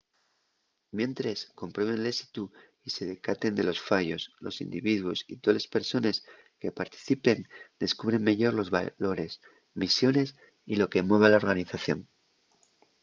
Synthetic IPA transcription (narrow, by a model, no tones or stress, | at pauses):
mje̞nt̪ɾe̞sko̞mpɾwe̞βe̞nle̞si̥t̪u | ise̞ðe̞kat̪e̞nd̪e̞lo̞sfaʝo̞slo̞̰sḭnd̪iβiðwo̞sḭt̪ole̞spe̞ɾso̞ne̞s | ke̞paɾt̪i̥θipe̞nd̪e̞skuβ̞ɾe̞ŋmeʝoɾlo̞zβa̰lo̞ɾe̞s | misjo̞ne̞s | ilo̞ke̞mwe̞β̞elao̞ɾɣaniθaθjo̞̰n